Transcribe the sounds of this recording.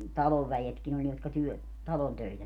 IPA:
tɑloʋ ʋæjetkin olʲ jotkɑ tyø tɑlon tøitæ

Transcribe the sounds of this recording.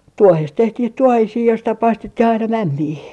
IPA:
tuohest tehtih tuohisiː joistɑ pɑistet tih ɑinɑ mæmːiː

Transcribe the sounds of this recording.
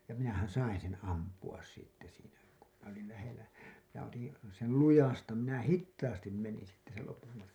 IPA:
jɑ minæhæn̞ sɑin̞ sen̞ ɑmpuɑs sitːe siːnæ ku minæ olil læhelˑæ jɑ otin̞ sel lujɑstɑ minæ hitːɑːstim menin̞ sitːe sel lopum mɑtkɑn̞

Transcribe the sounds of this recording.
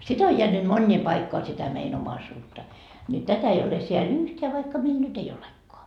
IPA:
sit o jeænyt monʲːiː pɑikːoɑ sitæ mein omɑisuːtːɑ ni tætæ ei ole seæl yhteæ ʋɑikːɑ meil nyt ei olekːoɑ

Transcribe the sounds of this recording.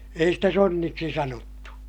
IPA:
ei stæ sonːiksi sɑnotːu

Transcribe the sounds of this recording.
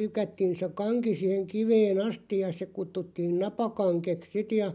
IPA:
lykætːiːn se kɑŋki siːheŋ kiʋeːn ɑstij̆ jɑ se kutːutːiːn nɑpɑkɑŋkeks sit jɑ

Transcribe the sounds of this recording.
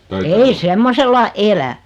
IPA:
ei semːoselːɑ elæ

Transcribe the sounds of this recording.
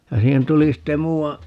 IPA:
jɑ siːhen tuli sitːe muːɑ

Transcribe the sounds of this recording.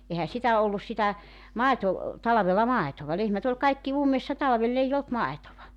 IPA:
ehæ sitæ olːus sitæ mɑˑeto tɑlɑʋelːɑ mɑˑetoʋɑ lehmæt olʲ kɑikːi umːesːɑ tɑlʋelː eij olt mɑetoʋɑ

